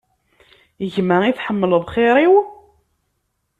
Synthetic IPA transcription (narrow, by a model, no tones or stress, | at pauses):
əʝməiθħəmːələðˤχɪɾiw